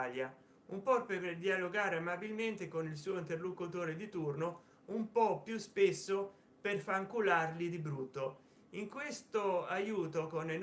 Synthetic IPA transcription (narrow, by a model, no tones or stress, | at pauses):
lja | umpɔrperd̪ialoɡaːɾeamabilment̪ekonils̬uːoint̪erlokut̪oːɾed̪it̪urno | umpɔpːjuspesːo | perfaŋkularlid̪ibɾut̪ːo | iŋkwest̪oajuːt̪okonen